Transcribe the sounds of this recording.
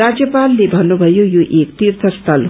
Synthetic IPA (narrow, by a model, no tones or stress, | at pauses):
ad͡ʒjəpalːebʱɐnubʱɐjujuʔeːk̚t̪iɾt̪ʰəst̪ʰɐl